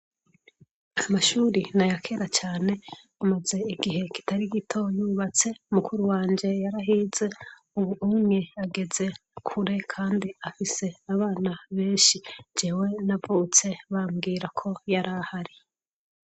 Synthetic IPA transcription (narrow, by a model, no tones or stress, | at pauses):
amaʃuɾinajakʰe̞ɾat͡ʃaːne̞ | amaze̞iɡihe̞ki̥taɾiɡitʰo̞juːβat͡se̞umukuɾuwaːɲd͡ʒe̞jaɾaɦiːze̞ | uβuumŋe̞aɡe̞ze̞ | kʰuɾe̞kʰaːndiafise̞aβaːnaβe̞ːnʃid͡ʒeːwe̞navut͡se̞βamɡiːɾakʰo̞jaɾahaɾi